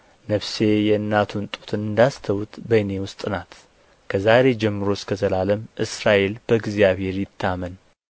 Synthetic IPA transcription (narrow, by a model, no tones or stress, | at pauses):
nəβse̞jɛɨnːat̪ʰunt̪ʼu̥t̪ʰɨnɨnd̪ast̪ʰəwut̪bəne̞wʊst̪ʼɨnat̪ | kʰəzaɾe̞d͡ʒɛmːɨɾo̞skʰəzʰəlaləmʔɨsɾaʔe̞lb̥əɡzjaβhe̞ɾjɪt̪ʰːamən